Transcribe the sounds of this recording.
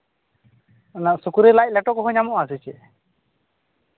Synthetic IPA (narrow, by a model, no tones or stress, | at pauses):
naʔsukuɾelajc̚lɛʈɔkɔɦɔɲamɔʔasit͡ʃɛ